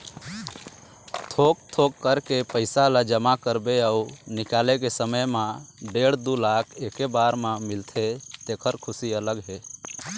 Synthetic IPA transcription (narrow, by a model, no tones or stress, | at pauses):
t̪ʰok̚t̪ʰokːəɾkepəɪsalad͡ʒəmakəɾbeaunikalekesəməjmãɖeɽd̪ulakʰekebaɾmãmɪlt̪ʰet̪ekʰəɾkʰʊsiələɡɦe